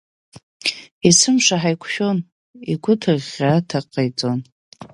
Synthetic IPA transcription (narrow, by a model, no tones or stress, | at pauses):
isɨmʂaħajkʷʰʃᶣo̞n | iɡʷʊtʰɨrʁʲatʰaqʼajt͡sʼo̞n